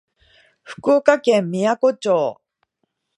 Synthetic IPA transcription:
ɸɯ̟̥koːkakẽ̞mːʲijako̞t͡ɕoː

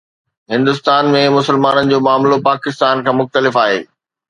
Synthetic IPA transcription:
ɦɪ̃nd̪ʊst̪aːnmẽmʊsəlmaːnənɪ̆d͡ʑoːmaːmlopaːkɪst̪aːnkʰãːmʊxt̪əlɪfaːɦḛː

